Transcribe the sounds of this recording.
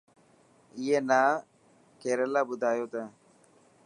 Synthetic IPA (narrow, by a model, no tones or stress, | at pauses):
ijeːnaː | keːɾəlaːbʊd̪ʱaːjoːt̪ãː